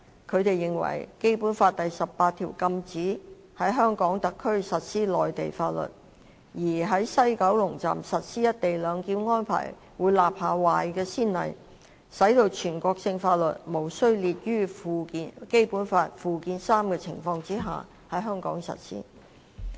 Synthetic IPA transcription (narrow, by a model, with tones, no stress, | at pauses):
kʰɵ˨˧ɥt̪e˨jːɪ˨ŋwɐ̰˨˩jke˥jpuː˨˥nfaː˧t̚t̪ɐ˨jsɐ˨pːaː˧t̪ʰiː˨˩wkɐ˧mt͡siː˨˥ | hɐ˨˥jɦœː˥ŋkɔː˨˥ŋt̪ɐ˨kʰːɵ˥ɥsɐ˨t̚siː˥lɔː˨jt̪e˨jfaː˧t̚lɵ̰˨˩t̚ | jiː˨˩ɦɐ˨˥jsɐ˥jkɐ˨˥wlʊ˨˩ŋt͡sa̰ː˨msɐ˨t̚siː˥jɐ˥t̚t̪e˨jlœː˨˧ŋkiː˧nŋɔː˥npʰa̰ː˨˩j | wuː˨˧jlaː˨p̚haː˨waː˨jkɛː˧siː˥nlɐ̰˨j | sɐ˨˥jt̪o˧wt͡ʃʰyː˨˩nkɔː˧k̚sɪ˧ŋfaː˧t̚lɵ˨t̚mo˨˩wsɵ˥ɥliː˨˧t̚jyː˥˨˧ | ke˥jpuː˨˥nfaː˧t̚fuː˨kiː˨˧nsaː˥mkɛː˧t͡sʰɪ̰˨˩ŋfɔː˧ŋt͡si˥ɦa̰ː˨ | hɐ˨˥jɦœː˥ŋkɔ̰ː˨˥ŋsɐ̰˨t̚sḭː˥